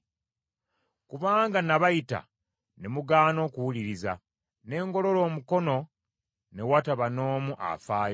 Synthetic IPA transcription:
kuβaːŋɡanaβajita̰ | ne̞muɡaːno̞ːkuwuliɾiza | ne̞ːŋɡo̞lo̞lo̞ːmuko̞no̞ | ne̞wataβano̞ːmuʔa̰faːjo

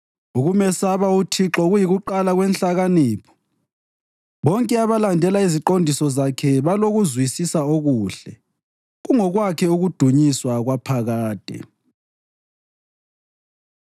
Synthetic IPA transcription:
uɣumɛsaβautʰiǁɔɣujiɣuǃalaɣwɛnɬaɣaniːpʰɔ̥ | βɔŋkʼɛaβalandʱɛlaiziǃondʱisɔzakʰɛβaloɣuzwisisaoɣuːɬɛ | ɣuŋɔɣwakʰɛuɣud̥ʱuɲiswaɣwapʰaɣaːd̥ʱɛ̰

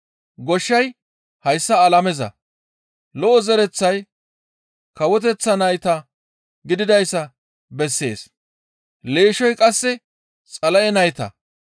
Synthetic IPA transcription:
ɡɔʃːɐj | hɐjsːɐːlɐmɛzɐ̰ | lɔʔɔzɛɾɛt͡sːɐj | kɐwɔt̪̬ɛt͡sːɐnɐjt̪ɐ | ɡɪd̪ɪd̪ɐjsːɐ | bɛsːe̞ːs | le̞ːʃɔjkʼɐsːɛ | t͡sʼɐlɐjɛnɐjt̪ɐ̰

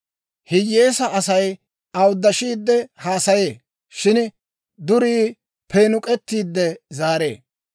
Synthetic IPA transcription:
hɪjːeːsɐʔɐsɐj | ɐwd̪ːɐʃiːd̪ːɛhaːsɐje̞ː | ʃɪn | d̪ʊɾiː | penʊkʼɛt̪ːiːd̪ːɛzaːɾe̞̰ː

